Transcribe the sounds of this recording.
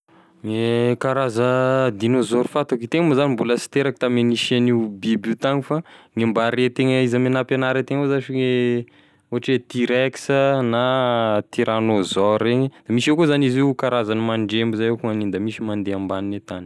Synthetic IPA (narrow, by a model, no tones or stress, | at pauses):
ekaɾazəd̪inozoɾufat̪okit̪eŋəmazanimbuləsi̥t̪eɾaki̥t̪ameniʃanibibut̪aŋifaŋimbaɾet̪eŋəizamenapenaɾet̪eŋozaʃie | oaʈ͡ʂet̪iɾɛksənat̪iɾanozɔɾeɲəd̪̥amiʃewkozanizekaɾazanimaɳɖ͡ʐembuzajekuŋanind̪amisimand̪eambaninet̪ani̥